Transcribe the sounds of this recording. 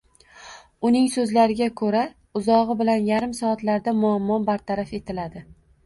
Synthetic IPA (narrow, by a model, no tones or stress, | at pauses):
ʊnɪŋsɵzlaɾɪɡʲakʰɵɾa | ʊzɒʁɨbɪlanjaɾɪmsɒːt̪laɾd̪amʊamːɒbaɾt̪ʰaɾafe̞t̪ʰɪlad̪ɪ